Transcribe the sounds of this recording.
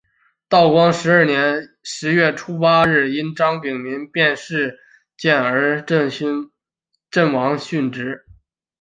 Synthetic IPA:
t̪ɑ˥˩ʊkwɑ˥ŋʂɻ̩˧˥ə˞˥˩njɛ˧˥nʂɻ̩˧˥ɥɛ˥˩ʈ͡ʂʰu˥pa˥ɻɻ̩˥˩i˥nʈ͡ʂɑ˥ŋpi˨˩ŋmi˧˥npjɛ˥˧nʂɻ̩˥˩˧ | t͡ɕjɛ˥˩nə˞˧˥˧ | ʈ͡ʂə˥˩nwɑ˧˥ŋɕy˥˩nʈ͡ʂɻ̩˧˥

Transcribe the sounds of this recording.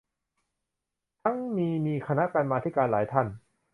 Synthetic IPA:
t̪ʰa˦˥˩ŋmiː˧miː˧kʰa˧na˦˥ka˧nmaː˧t̪ʰiː˥˩kaː˧nlaː˩˦jt̪ʰa˥˩n

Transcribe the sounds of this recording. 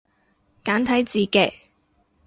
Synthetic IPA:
kaː˨˥nt̪ʰɐ˨˥jt͡siː˨˧kɛ̰ː˨˩

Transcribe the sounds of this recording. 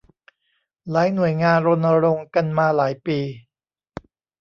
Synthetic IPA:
laː˩˦jnu˨˩əjŋaː˧nɾo˧nːa˧ɾo˧ŋka˧nmaː˧laː˩˦jpiː˧

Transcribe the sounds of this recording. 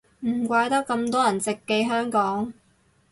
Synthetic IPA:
m̩˨˩kʷaː˧˥jt̪ɐ˥k̚kːɐ˧mt̪ɔː˥jɐ˨˩nt͡sɪ˨kːe˧jɦœː˥ŋkɔː˨˥ŋ

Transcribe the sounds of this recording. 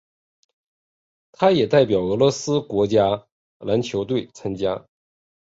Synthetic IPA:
t̪ʰa˥jɛ˨˩t̪a˥˩ɪpjɑ˨˩ʊɤ˧˥lwɔ˧˥sɹ̩˥kwɔ˧˥t͡ɕja˥ | la˧˥nt͡ɕʰjo˧˥ʊt̪we˥˩ɪt͡sʰa˥ŋt͡ɕja˥

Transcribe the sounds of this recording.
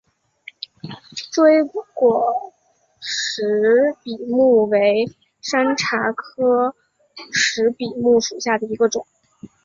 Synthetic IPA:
ʈ͡ʂwe˥ɪkwɔ˨˩ | ʂɻ̩˧˥pi˨˩mu˥˩we˧˥ɪ | ʂa˥nʈ͡ʂʰa˧˥kʰɤ˥ | ʂɻ̩˧˥pi˨˩mu˥˩ʂu˨˩ɕja˥˩d̪ə˩i˧˥ɡə˧ʈ͡ʂʊ˨˩˦ŋ

